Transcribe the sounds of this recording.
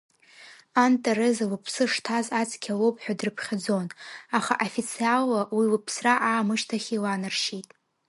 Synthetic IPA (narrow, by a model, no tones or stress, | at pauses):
antʼerezawɨpʰsɨʂtʰazat͡sʰʼkʲʰalowpʼħᶣadrɨpʰχʲad͡zo̞naχa̰ʔafit͡sʰialːawiwɨpʰsraʔaːmɨʃtʰaχʲiwanɨrʃitʼ